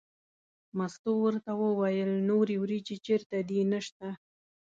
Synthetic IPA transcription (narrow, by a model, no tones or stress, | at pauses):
mast̪owəɾt̪awəwajəlnoɾewɾit͡ʃet͡ʃeɾt̪ad̪inəʃt̪a